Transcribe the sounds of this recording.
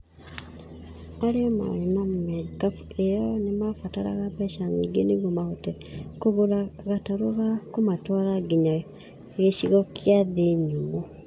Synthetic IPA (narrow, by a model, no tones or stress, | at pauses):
aɾeɔma̰ɾenammɛkafuejɔnemafataɾa̰ɣapaʃaŋiɡeneɣomaɣotɛ | koɣoɾaɣataɾoɣakomatwaɾaɡiɲa | ɣeɕiɣɔkiaðeɲumo